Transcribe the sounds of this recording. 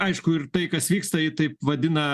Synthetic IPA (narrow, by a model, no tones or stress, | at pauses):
ɐɪʃkʊɪrt̪ɐɪkɐsʋʲiːkst̪ɐɪt̪ɐɪpʋɐd̪ʲɪnɐ